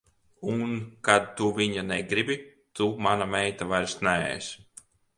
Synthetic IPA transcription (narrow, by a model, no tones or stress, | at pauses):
unkad̪̚t̪uviɲanɛɡɾibʲi | t̪umanamɛjt̪avaɾsnaɛ̰js